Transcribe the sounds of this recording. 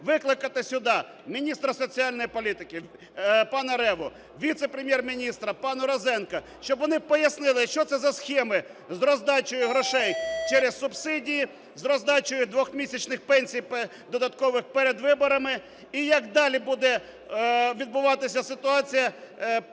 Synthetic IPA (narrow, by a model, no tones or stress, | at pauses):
ʋɪklˠɪkɐt̪ɪsʲʊd̪ɑ | mʲinʲist̪ɾɐsɔt͡sʲiɑlʲnɔjipɔlʲit̪ɪkɪ | pɑnɐɾɛʋʊ | ʋʲit̪sepɾʲemʲjɛrmʲinʲist̪ɾɐpɑnɐɾɔzɛnkɐ | ʃt͡ʃɔbʋɔnɪpɔjɐsnɪlˠɪʃt͡ʃɔt̪sɛzɐsxʲɛmɪ | zɾɔzd̪ɑt͡ʃʊjʊɦɾɔʃɛjt͡ʃɛɾɛzsʊbsɪdʲiji | zɾɔzd̪ɑt͡ʃʊjʊd̪ʋɔxmʲisʲɐt͡ʃnɪxpɛnʲsʲijp | d̪ɔd̪ɐt̪kɔʋɪxpeɾed̪ʋɪbɔɾɐmɪ | ijɐkd̪ɑlʲibud̪ɛ | ʋʲid̪̚bʊʋɑt̪ɪsʲɐsɪt̪ʊɑt͡sʲijɐ